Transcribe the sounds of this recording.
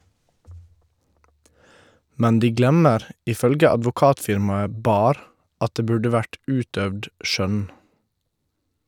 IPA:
ˈmɛn ˈdiː ˈɡlɛməɾ ʔɪˈfœlɡə ɑdʋʊˈkɑːtfɪɾmɑə ˈbɑːɾ ˈɑt ˈdeː ˈbʉɖə ˈʋæʈ ˈʔʉːtdœʋd ˈʃœn

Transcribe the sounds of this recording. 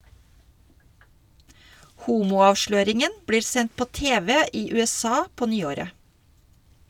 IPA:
ˈhuːmuː ˈɑːʋʃløːɾɪŋən ˈbɽiː ˈsɛnt ˈpoː ˈteːʋɛ ˈiː ˌʉːɛˈsɑː ˈpoː ˈnyːoːɾə

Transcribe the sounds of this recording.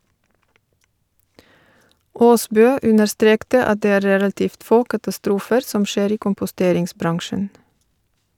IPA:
ˈoːˌsbøː ˈʉnəɾˌstɾeːktə ˈɑt ˈdeː ˈæː ˈɾeːlɑtɪft ˈfoː kɑtɑˈstɾuːfəɾ ˈsɔm ˈʃeːɾ ˈiː kʊmpʊˈsteːɾɪŋsˌbɾɑŋʃən

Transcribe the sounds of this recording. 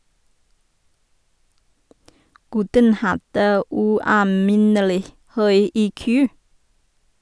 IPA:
ˈɡʉtən ˈhɑdə ˌʉːɑːˈmɪnəlɪ ˈhœʏ ˈiːˌkʉː

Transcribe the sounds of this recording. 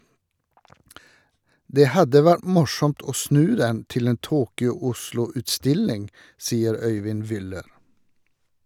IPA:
ˈdeː ˈhɑdə ˈʋæʈ ˈmʊʃɔmt ˈoː ˈsnʉː ˈdɛn ˈtɪl ˈeːn ˈtuːkʏʊ ˈʊʃlʊ ʉtˈstɪlɪŋ ˈsiːəɾ ˈœʏʋɪn ˈʋʏləɾ

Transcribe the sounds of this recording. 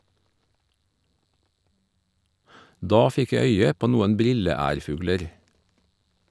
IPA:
ˈdɑː ˈfɪk ˈjæ ˈœʏə ˈpoː ˈnuːən ˈbɾɪləˌæːɾˌfʉːɡləɾ

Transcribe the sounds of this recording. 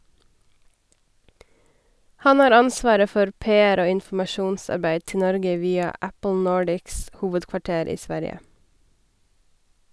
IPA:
ˈhɑn ˈhɑːɾ ˈɑnˌsʋɑːɾə ˈfɔɾ ˈpeːæɾ ˈoː ɪnfm̩ɑˈʃuːnˌsɑɾˌbæɪd ˈtɪ ˈnɔɾɡə ˈʋiːɑ ˈæpl̩ ˈnoːɖɪks ˈhuːʋədkʋɑˌʈeːɾ ˈiː ˈsʋæɾjə

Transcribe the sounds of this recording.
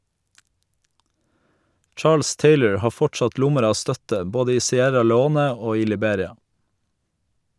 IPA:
ˈʈʃɑːls ˈteɪləɹ ˈhɑː ˈfɔʈsɑt ˈlʊməɾ ˈɑː ˈstœtə ˈboːdə ˈiː sɪˈæɾɑ lɛˈoːnə ˈoː ˈiː lɪˈbeːɾɪɑ

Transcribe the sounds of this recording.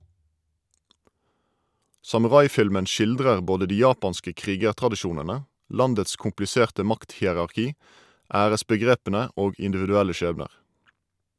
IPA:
sɑmʉˈʁɑɪˌfɪlmən ˈʃɪldʁəʁ ˈboːdə ˈdiː ˈjɑːpɑnskə ˈkʁiːɡəʁtʁɑdɪˌʃuːnənə ˈlɑndəts kʊmplɪˈseːʁtə ˈmɑkthiːəʁɑʁˌkiː ˈæːʁəsbəˌɡʁeːpənə ˈoːɡ ɪndɪʋɪdʉˈælə ˈʃeːbnəʁ

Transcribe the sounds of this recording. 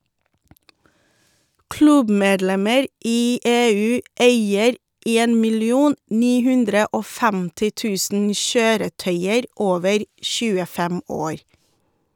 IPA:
ˈklʉbˌmeːdˌlɛməɾ ˈiː ˈeːˌʉː ˈeɪəɾ ˈeːn mɪlɪˈuːn ˈniː ˈhʉndɾə ˈoː ˈfɛmtɪ ˈtʉːsn̩ ˈʃøːɾəˌtœʏəɾ ˈoːʋəɾ ˈʃʉːəˌfɛm ˈoːɾ

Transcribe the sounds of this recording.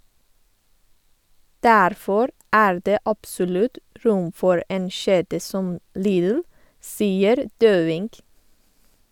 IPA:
ˈdæɾfɔɾ ˈæːɹ ˈdeː ˈʔɑpsɔlʉt ˈɹʊm ˈfɔɹ ˈeːn ˈʃeːdə ˈsɔm ˈliːðl̩ ˈsiːəɾ ˈdøːʋɪŋɡ

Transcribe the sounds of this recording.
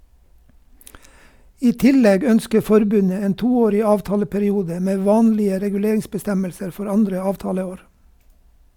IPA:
ˈiː ˈtɪˌlɛɡ ˈœnskə ˈfɔɾˌbʉnə ˈeːn ˈtuːˌoːɾɪ ˈɑːʋˌtɑːləpæɾɪˌuːdə ˈmeː ˈʋɑːnlɪə ɾɛɡʉˈleːɾɪŋsbəˌstɛməlsəɾ ˈfɔɾ ˈɑndɾə ˈɑːʋˌtɑːləˌoːɾ

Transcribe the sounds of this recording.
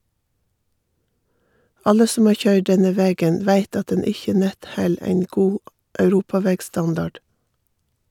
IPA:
ˈɑlə ˈsɔm ˈɑː ˈçœʏɖ ˈɖɛnə ˈʋeːɡən ˈʋæɪt ˈɑt ˈdɛn ˈɪçə ˈnɛt ˈhɛl ˈeɪn ˈɡuː ʔœʉˈɾuːpɑˌʋeːɡˌstɑndɑɖ

